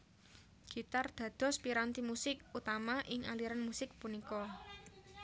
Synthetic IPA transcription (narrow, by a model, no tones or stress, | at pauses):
ɡ̥i̤t̪ard̪̥ä̤d̪̥ɔ̤spiɾant̪imusɪk̚ut̪amaʔɪŋaliɾanmusɪk̚punikɔ